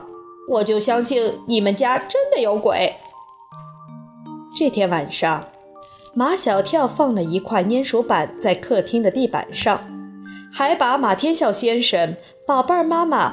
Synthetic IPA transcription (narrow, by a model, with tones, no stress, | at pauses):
wɔ˨˩t͡ɕjo˥˩ʊɕjɑ˥ŋɕi˥˩ŋni˨˩mə˨nt͡ɕja˥ʈ͡ʂə˥nd̪ə˨jo˧˥ʊkwḛ˨˩˦ɪ | ʈ͡ʂɤ˥˩t̪ʰjɛ˥nwa˨˩nʂɑ˥˩ŋ | ma˧˥ɕjɑ˨˩ʊt̪ʰjɑ˥˧ʊfɑ˥˩ŋlə˩i˧˥kʰwa˥˩ɪnjɛ˥nʂu˧˥pa˨˩˦nt͡sa˥˧ɪkʰɤ˥˩t̪ʰi˥ŋd̪ə˨t̪i˥˩pa̰˨˩nʂɑ˥˩ŋxa˧˥ɪpa˧˥ma˨˩t̪ʰjɛ˥nɕjɑ˥˩ʊɕjɛ˥nʂə˧˥n | pɑ˨˩ʊpa˞˥˩ma˥mə̰˨